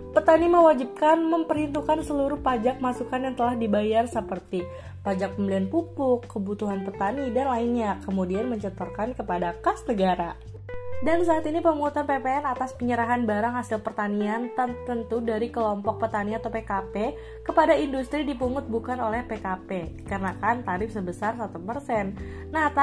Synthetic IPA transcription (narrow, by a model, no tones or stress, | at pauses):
pərt̪animəwad͡ʒip̚kanməmpərhint̪ukansəluɾʊhpad͡ʒak̚masukanjaŋt̪əlahdibajarsəpərt̪i | pad͡ʒak̚pəmblianpupʊkːəbut̪uɦanpərt̪anidanlainɲakəmudianməɲt͡ʃət̪ərkankəpadakasnəɡaɾa | dansaːt̪inipəmuut̪anpepeɛnat̪aspəɲəɾaɦanbaɾaŋhasɪlpərt̪aniant̪ət̪ənt̪udaɾikəlɔmpɔk̚pərt̪aniat̪owpekape | kəpadaindust̪ɾidipuŋʊt̪̚bukanolɛhpekapekarənakant̪aɾɪfsəbəsarsat̪upərsɛnː | at̪